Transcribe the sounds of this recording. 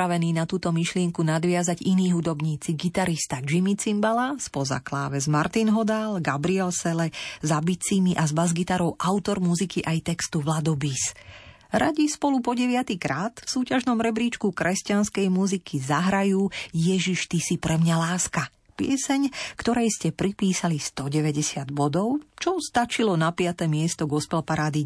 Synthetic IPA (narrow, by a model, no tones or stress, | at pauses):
aʋɛniːnat̪uːt̪ɔmiʃlɪɛŋkunad̪ʋɪazaɟiniːɦud̪ɔbɲiːt͡siɡit̪aɾist̪ad͡ʒimit͡simbalaspɔza̰klaːʋɛzmaɾt̪inɦɔd̪alɡabɾiɛlsɛlɛzabit͡simiʔazbazɡit̪aɾɔʊʔaʊt̪ɔɾmuzikiʔajt̪ɛkst̪uʋlad̪ɔbis | ɾaɟispɔlupɔɟɛʋɪat̪ikɾaːt̪fsuːcaʒnɔmɾɛbɾiːt͡ʃkukɾɛscanskɛjmuzikʰizaɦɾajuːjɛʒiʃt̪isipɾɛmɲalaːska | pɪɛsɛɲkt̪ɔɾɛjscɛpɾipiːsalist̪ɔɟɛʋɛɟɛsɪad̪bɔd̪ɔʊt͡ʃɔst̪at͡ʃilɔnapɪat̪ɛːmɪɛst̪ɔɡɔspɛlpaɾaːd̪i